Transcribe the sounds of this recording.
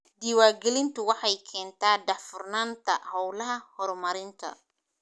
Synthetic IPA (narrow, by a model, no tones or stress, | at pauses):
d̪iːwaːɡɛlɪnt̪ʰʊwɑħɑjkʰɛːnt̪ʰaːɖɐħfʊrnaːnt̪ʰɐhɔwlɐɦɐhɔrmɐɾɪnt̪ʰɐ̰